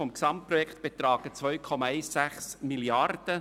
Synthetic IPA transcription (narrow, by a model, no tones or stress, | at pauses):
ɔmksɑmt̚pɾɔjɛkʰt̪b̥et̪ɾɑːɡət͡svœʏkʰɔmɑɛɪsːæχsmiljɑrd̥ə